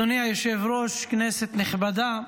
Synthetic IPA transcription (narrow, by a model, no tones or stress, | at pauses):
oniajoʃevɾoʃkneset̪neχbad̪a